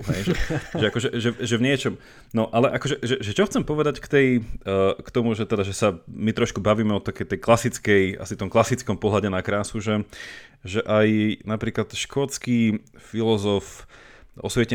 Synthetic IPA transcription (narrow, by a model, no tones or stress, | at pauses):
ɦɛjʒɛʒɛakɔʒɛʒɛʒɛvɲɪɛt͡ʃɔm | nɔʔalɛʔakɔʒɛʒɛʒɛt͡ʃɔxt͡sɛmpɔʋɛd̪ackt̪ɛj | kt̪ɔmuʒɛt̪ɛd̪aʒɛsamit̪ɾɔʃkubaʋiːmɛɔt̪akɛjt̪ɛjklasit͡skɛja̰sit̪ɔmklasit͡skɔmpɔɦlaɟɛnakɾaːsuʒɛ | ʒɛʔajnapɾiːklat̪ʃkɔt͡ski | filɔzɔf | ɔ̰sʋɛcɛ